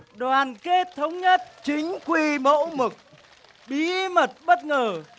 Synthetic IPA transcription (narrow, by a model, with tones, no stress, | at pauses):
ɗwaː˨˩nke˦˥t̚t̪ʰə˨˦wŋ͡mɲə˦˥t̚t͡ɕi˨˦ŋ̟kwi˧mo̰˧˥mɨ˨˩k̚ | ɓi˨˦mə˨˩t̚ɓə˦˥t̚ŋəː˨˩